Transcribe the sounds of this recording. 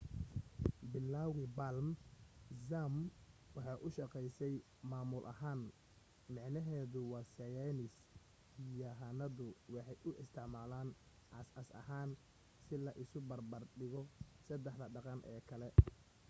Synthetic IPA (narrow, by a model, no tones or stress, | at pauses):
bɪlːaːwɪbalm | zamwɑħɑːʔʊʃɑqɛjsɛj | maːmʊlʔɐ̰ɦaːn | mɑʕnɐɦɛːðʊwɑːsɐjɛnɪs | ijɔɦɐnɐðʊwɑħɑjʔʊʔɪst̪ʰɪʕmaːlaːn | ʔɑsɐsɐ̰ɦaːn | sɪlɐʔɪsʊbɐrbɐrɖɪɣɔsɐd̪ɛħdɐɖɑqɑnʔɛ̰ːkʰɐlɛ